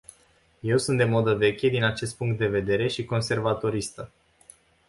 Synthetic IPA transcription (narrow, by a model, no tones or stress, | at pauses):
je̞wsunt̪d̪e̞mo̞d̪əve̞kʲed̪inat͡ʃe̞st̪̚puŋk̚t̪̚d̪e̞ve̞d̪e̞ɾe̞ʃiko̞nse̞rvat̪o̞ɾist̪ə